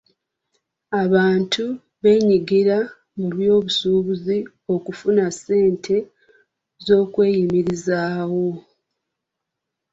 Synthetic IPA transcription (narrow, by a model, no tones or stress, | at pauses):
aβaːntʰu | βe̞ːɲiɡiɾa | muβjo̞ːβusuːβuzi | o̞kufunasːe̞ːntʰe̞ | zo̞ːkwe̞ːjimiɾizaːwo̞